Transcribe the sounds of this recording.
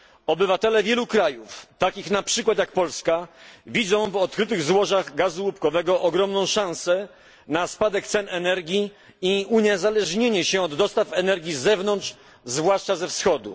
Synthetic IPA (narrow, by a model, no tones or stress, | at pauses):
ɔbɘvat̪ɛlɛvʲjɛlukɾajuft̪akʲixnapʂɘkwat̪jak̚pɔlskavʲid̪zɔ̃w̃vɔt̪̚kɾɘt̪ɘɣzwɔʐaɣɡazuwupkɔvɛɡɔʔɔɡɾɔmnɔ̃w̃ʂãw̃sɛ | naspad̪ɛkt̪sɛnɛnɛɾɡʲji | iuɲɛzalɛʐɲeɲɛɕɛɔd̪ːɔst̪afɛnɛɾɡʲjizɛvnɔntʂ | zvwaʂt͡ʂazɛfsxɔd̪ṵ